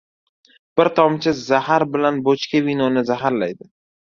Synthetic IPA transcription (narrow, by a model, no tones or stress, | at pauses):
b̥ɪɾt̪ʰɒmt͡ʃʰɪzahaɾbɪlanbot͡ʃkʲavinɒnɪzaɦaɾlajd̪ɪ